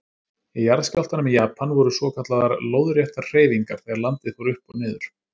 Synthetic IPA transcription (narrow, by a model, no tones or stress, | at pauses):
ɛjaɾðskawlt̪anʏmɛjaːpʰanvɔɾʏsvɔːkʰat̪laðaɾloːwðʏɾjɛht̪aɾr̥eːjviŋkaɾ̥θeɣaɾlant̪ɪθuwɾʏhpɔðnɪːðʏɾ̥